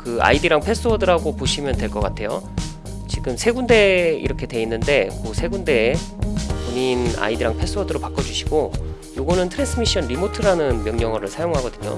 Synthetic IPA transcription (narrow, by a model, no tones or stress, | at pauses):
kɯa̰idɯɾaŋpʰe̞s͈wʌdɯɾaɡopoɕʰimjʌndwe̞ɭk͈ʌk͈atʰe̞jo̰ | t͡ɕiɡɯmsʰe̞ɡunde̞ḭɾʌkʰe̞dwe̞inːɯnde̞mosʰe̞ɡunde̞ | poɲina̰idɯɾaŋpʰe̞s͈ɯwʌdɯɾopak͈ʌd͡ʑuɕʰi̥ɡ̥o | joɡʌnɯntʰɯɾens͈ʰɯmiɕ͈ʌnɾimotʰɯɾanɯnmjʌŋɲʌŋʌɾɯɭsʰajoŋɦaɡʌdɯɲo̰